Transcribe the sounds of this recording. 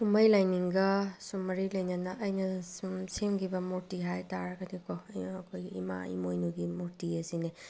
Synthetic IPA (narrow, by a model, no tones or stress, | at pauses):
sumɐjlajniŋɡɐsumːɐɾilɐjnɐnɐʔɐjnɐsumsemɡibɐmoɾtiɦajtaɾɐɡɐdikɔjɐkʰojḭma̰ḭmojnuɡimoɾtiɐsine